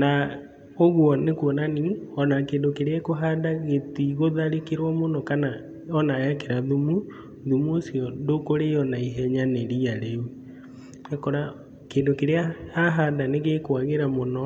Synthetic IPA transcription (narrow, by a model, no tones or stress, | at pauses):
na | oɣwɔnekwɔnaniɔnakeːndokeɾeakoɦadaɣetiɣoðaɾekeɾwɔmonɔkana | ɔnaɛkeɾaðumu | ðumuosiɔndokoɾeɔnaiɦɛɲaneɾiaɾeu | akɔɾa | keːndokeɾeaaɦadaneɣekwaɣeɾamonɔ